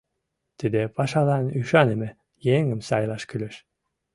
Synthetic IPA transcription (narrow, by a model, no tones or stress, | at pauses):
t̪id̪epɑʃɑlˠɑnyʃɑneme | jeŋɘmsɑjlˠɑʃkyløʃ